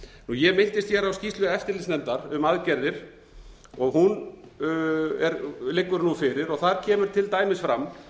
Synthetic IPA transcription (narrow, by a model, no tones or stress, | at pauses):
nujɛmɪn̥t̪ɪst̪θçjɛɾawscist̪lʏɛft̪ɪɾlɪsnɛnt̪aɾʏmaðcɛɾðɪɾ̥ | ɔɣɦun | ɛɾlɪkːʏɾnufɪɾɪɾɔɣθaɾcʰɛːmʏɾ̥t̪ʰɪlt̪aːjmɪsfɾamː